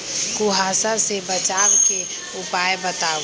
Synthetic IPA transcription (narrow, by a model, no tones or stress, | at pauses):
kuɦaːsasebət͡ʃaːwke | ʊpaːjbət̪aː